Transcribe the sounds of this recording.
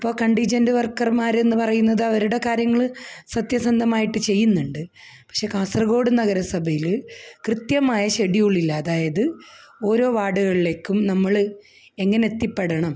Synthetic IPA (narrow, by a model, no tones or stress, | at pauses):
ɐpːo̞ːkɐɳɖid͡ʑɐndɨʋɐrkːɐrmaːɾe̞nːɨpɐrɐjunːɐðɐʋɐɾuɽe̞kaːɾjɐŋːɐɭsɐt̪jɐsɐnd̪ʱɐmaːjiʈːɨt͡ɕe̞jːunːuɳɖɨ | pɐ̥kʂe̞kaːsrɐɣo̞ːɽɨnɐɣɐɾɐsɐbʱɐjilkrɨt̪jɐmaːjɐɕeɽijuɭːilːɐːðaːjɐðɨo̞ːɾo̞ːʋaːɽuɣɐɭile̞ːkʲːumnɐmːɐɭ | e̞ŋːɐneet̪ːipːe̞ɽɐɳɐm